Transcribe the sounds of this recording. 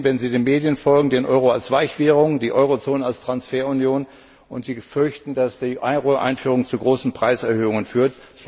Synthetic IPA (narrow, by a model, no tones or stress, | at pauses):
vɛnziːdeːmeːdjənfɔlɡŋ̩deːnʔɔʏʁoalsv̥aɪçv̥eːʁʊŋdiːʔɔʏʁot͡soːnəalstʁ̥ansfeːɐʊnjoːn | ʔʊntz̥iːfʏɐçtn̩dasd̥iːʔaɪʁoʔa̰ɪnfyːʁʊŋt͡suɡʁoːsn̩pʁ̥aɪsɛɐhøːʊŋənfyːɐt | s